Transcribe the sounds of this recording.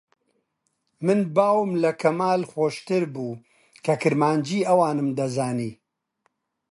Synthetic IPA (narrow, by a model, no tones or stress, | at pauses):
mɨnbaːwmlɐkʰɐmaːlxoːʃt̪ɨɾbuː | kɐkɨɾmaːnd͡ʒiːɐwaːnɨmd̪ɐzaːniː